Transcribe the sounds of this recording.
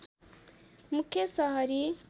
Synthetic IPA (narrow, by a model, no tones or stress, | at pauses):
mukesaɦaɾi